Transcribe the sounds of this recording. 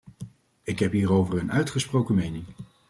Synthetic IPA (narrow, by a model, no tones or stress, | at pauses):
ɪkɦɛpɦiːrowvəɹənœɥtχəsprowkəmejnɪŋ